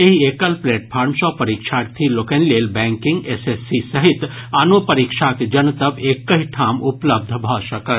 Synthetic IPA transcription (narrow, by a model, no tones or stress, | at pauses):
eɦieːkəlpleːʈpʰaːɾmsɔpɐɾikʃʰaɾt̪ʰiloːkənleːlbɛ̃ːŋkɪ̃ŋɡesesisɐɦit̪ | anopɐɾikʃʰaked͡ʒɐnt̪əpeːkːəɦiʈʰaːmʊpləb̚d̪ʱbʱɔʃɐkəɾ